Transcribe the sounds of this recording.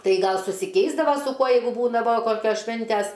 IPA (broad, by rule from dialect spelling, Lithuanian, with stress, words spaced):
ˈtɐɪ ˈɡɐlˠ sʊsʲɪˈkʲɛɪzdɐʋɐ sʊ ˈkuɔ jɛɪɡʊ ˈbuːdɐʋoː ˈkoːkʲoːs ˈʃʲʋʲɪnʲtʲæs